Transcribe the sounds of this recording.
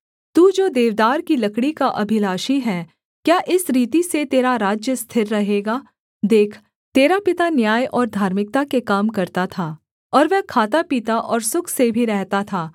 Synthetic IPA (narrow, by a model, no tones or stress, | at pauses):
t̪uːd͡ʒoːd̪eːʋd̪aːɾkilɐkɽikaʔɐbʱɪlaːʃiɦɛː | kjaːʔɪsɾiːt̪iset̪eːɾaɾaːd͡ʒjəst̪ʰɪɾːɐɦeːɡaː | d̪eːkʰ | t̪eːɾapɪt̪anjaːjɔːɾd̪ʱaːɾmɪk̚t̪akekaːmkɐɾt̪at̪ʰaː | ɔːɾʋɛɦkʰaːt̪apiːt̪aʔɔːɾsʊkʰsebʱiɾɛɦt̪at̪ʰaː